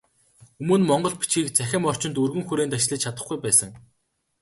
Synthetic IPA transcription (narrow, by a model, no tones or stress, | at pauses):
ɵmɵ̆nmɔɴɢɞ̆ɮpi̥t͡ɕɡiːkt͡sæxʲɪ̆mɔr̥t͡ɕɪ̆nt̪ɵrɣɘ̆ŋxuɾeːnt̪at͡ɕɮiːt͡ɕt͡ɕʰat̪ə̆χɡujpæːsə̆ŋ